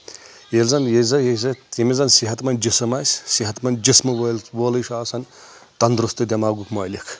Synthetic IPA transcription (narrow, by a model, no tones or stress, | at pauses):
elzɐnjezɐjezɐemʲizɐnsiɦɐt̪mɐnʲd͡ʒisɐmasʲsiɦɐt̪mɐnd͡ʒismɨʋɐlʋoːlɨjʃaːsɐnt̪ɐnd̪ɾust̪ɨd̪ʲɐmaːɡukmɐːlikʰ